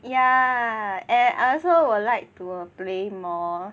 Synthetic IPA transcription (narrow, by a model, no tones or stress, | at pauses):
ja | ɛ̃na̰ɔsowudlaɪk̚tuplemɔ